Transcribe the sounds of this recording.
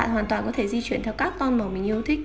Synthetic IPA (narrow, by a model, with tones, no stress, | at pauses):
a̰ː˧˨nwaː˨˩nt̪waː˨˩nkɔ˨˦t̪ʰe˧˩zi˧t͡ɕwi˧˩ənt̪ʰɛ˧wkaː˦˥k̚t̪ɔ˧nma˨˩mï˨˩ŋ̟ʔi˧ə˧wt̪ʰï˦˥k̚